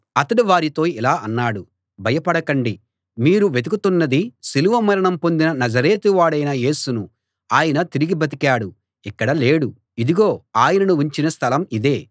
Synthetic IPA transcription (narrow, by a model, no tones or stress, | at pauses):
ɐt̪ɐɽiʋaːɾit̪o̞ːilaːʔɐnːaːɽu | bʱɐjɐpɐɽɐkɐɳɖi | miːɾuʋed̪ukut̪unːɐd̪isiluʋɐmɐɾɐɳɐmpo̞nd̪inɐnɐzɐɾe̞ːt̪uʋaːɽɐjnɐje̞ːsunu | aːjɐnɐt̪iɾiɡibʱɐt̪̬ikaːɽu | ikːɐɽɐle̞ːɽu | id̪iɡo̞ːaːjɐnɐnuuɲt͡ʃinɐst̪ʰɐlɐmid̪e̞ː